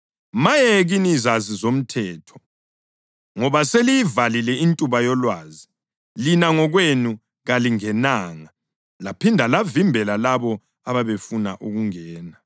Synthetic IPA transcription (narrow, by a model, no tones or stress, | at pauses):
majeɣinizazizom̩tʰɛːtʰɔ̥ | ŋɔβaselijivalilɛintʼuβajɔlwaːzi | linaŋɔɣwenu | ɣaliŋɛnaːŋa | lapʰindʱalavimbʱɛlalaβɔ | aβaβefunaʔuɣuŋɛːna